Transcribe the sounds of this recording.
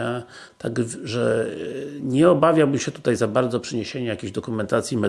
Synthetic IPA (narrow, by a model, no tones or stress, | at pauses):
a | t̪aɡʐɛ | ɲɛɔbavʲjawbɘmɕɛt̪u̥t̪ajzabaɾd̪zɔpʂɛɲeɕeɲɛjakʲeʑd̪ɔkumɛnt̪at̪sʲjimɛ